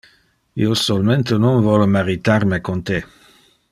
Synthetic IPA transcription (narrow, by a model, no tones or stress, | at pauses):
iosɔlmɛ̃nt̪ənɔ̃nvɔlmaʁit̪aʁmekont̪e